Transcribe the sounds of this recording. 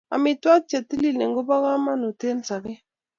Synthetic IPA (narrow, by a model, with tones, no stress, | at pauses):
a̰˨mɪ˨twa˦k̚t͡ʃa˨t̪i˦li˦˨le˨ŋɡo˦ba˦ka˦ma˦no˨te˦nsa˨kɪ˦